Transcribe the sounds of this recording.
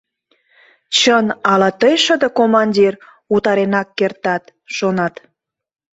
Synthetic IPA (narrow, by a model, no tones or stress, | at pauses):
t͡ɕənɑlɑt̪əjʃəd̪ə̆komɑnʲdʲir | ut̪ɑɾenɑkːert̪ɑt̪ʃonɑt̪